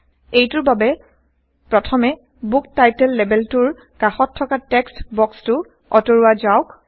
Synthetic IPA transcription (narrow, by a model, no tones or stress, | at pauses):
ejtʊɹbabɛ | pɹɔtʰɔmɛ | buk̚tajtɛlːɛbɛltʊɹ | kaxɔtʰːɔkatɛkstbɔkstʊ | ɔtoɹuazaʊk